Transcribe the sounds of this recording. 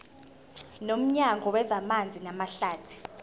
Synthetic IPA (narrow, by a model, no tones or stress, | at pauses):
nom̩ɲaŋʱɔwɛzamand͡zʱinamaɬaːtʰi̥